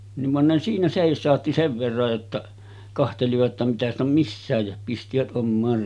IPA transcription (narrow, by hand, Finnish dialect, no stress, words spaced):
niʋ ʋɑn ne siːnæ seˑisˑɑˑotːi seʋ ʋerːɑj jotːɑ kɑhteliʋɑt tɑ mitæ st om misːæˑej jɑ pistiʋæt ʔomːɑːr